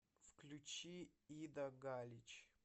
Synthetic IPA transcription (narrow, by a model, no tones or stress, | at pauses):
fklʲut͡ʃiid̪ɐɡalʲit͡ʃ